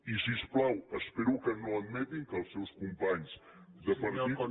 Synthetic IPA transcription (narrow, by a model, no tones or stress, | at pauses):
isisplawəspeɾukənoɐd̪mɛt̪iŋkəlˠsːewskumpaɲz | d̪əpəɾi